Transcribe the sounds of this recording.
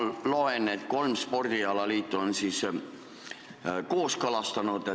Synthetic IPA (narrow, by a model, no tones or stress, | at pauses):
loenet̪kolmspord̪̥iɑlɑliːt̪ːuonsiːs | koːskɑlɑst̪ɑnut̪e